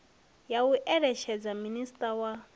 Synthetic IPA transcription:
jauʔɛɺɛʃɛd͡zaministʼawa

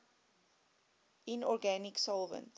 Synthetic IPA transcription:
inɔɾɡæniksɔlˠvə̰̃nt

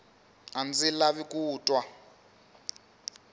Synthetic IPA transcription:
and͡zilaβikʼuːtʼwa

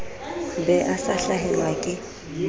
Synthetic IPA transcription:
bɛʔasaɬaɦɛlwakʼɪ

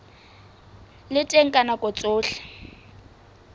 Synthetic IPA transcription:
lɪtʼeŋ̩kʼanakʼɔt͡sʼʊːɬɛ̥

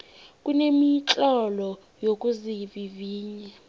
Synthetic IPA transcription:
kʼunemit͡ɬʼɔlɔ | jokʼuziviviːɲɛ

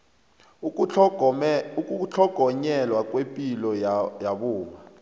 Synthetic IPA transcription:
uk̬ʼut͡ɬʰɔɡ̥ʱɔɲɛlwak̬ʼwepʼilɔjaɓuːma

